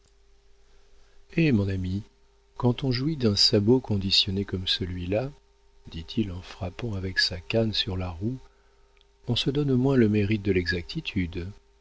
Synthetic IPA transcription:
emɔ̃nami | kɑ̃t̪ɔ̃ʒuwid̪ɛ̃sabokɔ̃d̪isjɔnekɔmsəlɥila | d̪it̪ʰilɑ̃fχapɑ̃avɛksakansyʁlaʁu | ɔ̃səd̪ɔnomwɛ̃ləmeʁit̪̚d̪əlɛɡzak̚t̪ʰit̪ʰyd̪

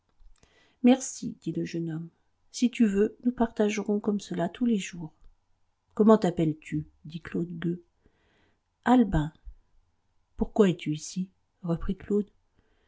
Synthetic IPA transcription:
mɛʁsid̪̥iləʒənɔm | sit̪yvønupaʁt̪aʒʁɔ̃kɔmsəlat̪ʰuleʒuːʁ | kɔmɑ̃t̪apɛlt̪ʰy | d̪iklod̪ɡø | albɛ̃ | puʁkwaɛt̪yisi | ʁəpχiklod̪

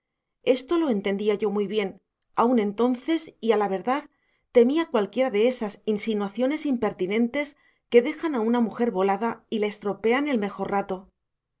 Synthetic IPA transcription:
e̞st̪o̞lo̞e̞nt̪e̞nd̪iaʝo̞mujβje̞n | aunẽ̞nt̪o̞nθe̞sialaβ̞e̞ɾðað | t̪e̞miakwalkje̞ɾaðe̞esasinsinwaθjo̞ne̞simpe̞ɾt̪inẽ̞nt̪e̞s | ke̞ðe̞xanaunamuxe̞ɾβo̞laðaileest̪ɾo̞pe̞ane̞lme̞xo̞rrat̪o̞

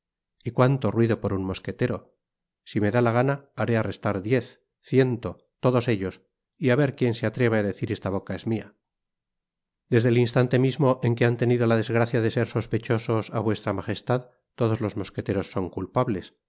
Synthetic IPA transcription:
ikwant̪o̞rwiðo̞po̞ɾunmo̞ske̞t̪eɾo̞ | sime̞ðalaɣ̞anaːɾe̞are̞st̪aɾðje̞θ | θje̞nt̪o̞ | t̪o̞ðo̞se̞ʎo̞s | iaβe̞ɾkje̞nseat̪ɾe̞βeaðe̞θiɾe̞st̪aβ̞o̞kae̞zmia | d̪e̞zðe̞linst̪ant̪e̞mizmo̞ʔe̞ŋke̞ant̪e̞nið̞o̞lað̞e̞zɣɾaθjaðe̞se̞ɾso̞spe̞t͡ʃo̞so̞sa̰βwest̪ɾamaχe̞st̪að | t̪o̞ð̞o̞zlo̞zmo̞ske̞t̪e̞ɾo̞sːo̞ŋkulpaβle̞s

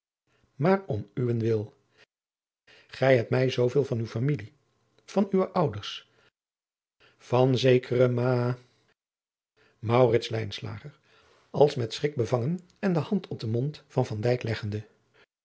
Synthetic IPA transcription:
maːrɔmyʋənʋɪlˠ | χɛjɦɛpmɛjzowvɪːlˠvɑnywfamili | v̥ɑnyʋəʔɑwdəɹs | v̥ɑnzejkʰərəmaː | mɑwrɪtslɛjnsla̰ːχəɹ | ɑlˠsmɛtsrɪɡ̚bəvɑŋən | ɛndəɦɑntʰɔp̚dəmɔntfɑnvɑndɛjklɛχəndə

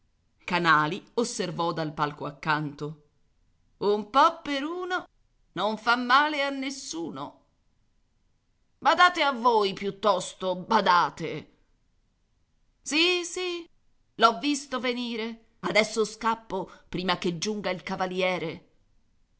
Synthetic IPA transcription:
kanaːliosːervɔd̪alpalkoakːant̪o | umpɔpːeɾuːno | noɱfamːaːleanːesːuːno̰ | bad̪aːt̪eavːojpjut̪ːɔst̪obad̪aːt̪e | sisi | lɔvːist̪oveniːɾe | ad̪ɛsːoskapːopɾiːmaked͡ʒːuŋɡailkavaljɛːɾe

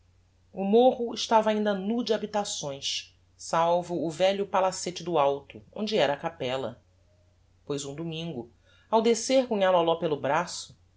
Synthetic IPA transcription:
ʊmoɦʊɪʃt̪avɐaĩnd̪ɐnud͡ʒɪabit̪asõj̃s | sawvʊːvɛʎʊpalaset͡ʃɪd̪ʊawt̪ʊõ̰d͡ʒɪɛɾɐːkapɛlɐ̰ | pojzũd̪umĩŋɡʊ | awd̪eseɾkũɲalalɔpelʊbɾasʊ̥

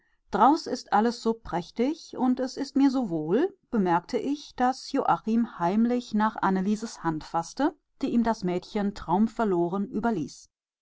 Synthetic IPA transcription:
d̥ʁaʊsɪstʔaləsz̥oːpʁ̥ɛçtɪçʊntɛsɪstmiːɐzoːvoːlb̥əmɛɐk̚tʰəʔɪçd̥asjoːʔaχimhaɪmlɪçnaːχʔa̰nəliːzəshantfastə | d̥eːʔiːmdasmɛːtçəntʁ̥aʊmfɛɐloːʁənʔyːbɐlḭːs

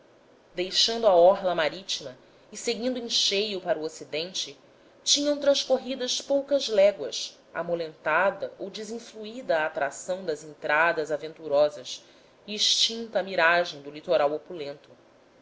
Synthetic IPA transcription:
d̪ejʃɐ̃nd̪uaɔɦlɐmaɾit͡ʃimɐ | ɪseɡĩnd̪ʊẽʃejʊpaɾuosid̪ẽnt͡ʃɪ | t͡ʃĩɲɐ̃w̃t̪ɾɐ̃ʃkoɦid̪ɐʃpowkɐzlɛɡwɐs | a̰molẽnt̪ad̪ɐʔowd͡ʒɪzĩfluid̪ɐːt̪ɾasɐ̃w̃d̪ɐzẽnt̪ɾad̪ɐzavẽnt̪uɾɔzɐs | iːʃt͡ʃĩnt̪ɐːmiɾaʒẽj̃d̪ʊlit̪oɾawopulẽnt̪ʊ

